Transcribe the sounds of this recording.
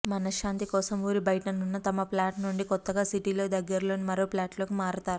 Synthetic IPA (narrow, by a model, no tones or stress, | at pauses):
mɐnɐʃaːnt̪ikɔːsɐmuːɾibɐjʈɐnːunːɐt̪ɐmɐplaːʈnuɳɖikɔt̪ːɐɡaːsiʈilo̞ːd̪ɐɡːɐɾlo̞ːnimɐɾo̞ːplaːʈlo̞ːkimaːɾut̪aːɾu